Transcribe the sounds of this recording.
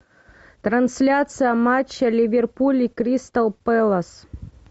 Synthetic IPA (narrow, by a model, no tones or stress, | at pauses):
t̪ɾɐnsʲlʲat̪sɨjɐmat͡ɕːɐlʲivʲerpulʲikɾʲist̪ɐlˠpɛlˠɐs